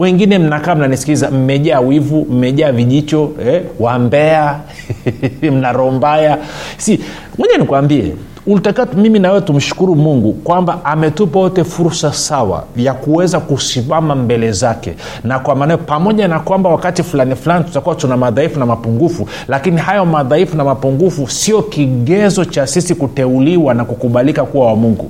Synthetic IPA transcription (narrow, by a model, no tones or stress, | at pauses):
wɛŋɡinɛm̩nakaːm̩nanisi̥kizam̩mɛʄaːwivum̩mɛʄaːviʄit͡ʃɔɛwambɛa | m̩naɾɔmbajasi | mɔɲanikuwambiɛ̰ | ulitakamiminawɛwɛtum̩ʃu̥kuɾumuŋɡukwambaʔamɛtupajɔtɛfuɾsasawa̰jakuwɛzakusimamambɛlɛzakɛ̰ | nakwamaːnajɔpamɔʄanakwambawakatifulanifulanitu̥takuwatunamaðaifunamapuŋɡufu | lakinihajɔmaðaifunamapuŋɡufusiɔkiɠɛzɔt͡ʃasisikutɛuliwanakukuɓalikakuwawamuŋɡṵ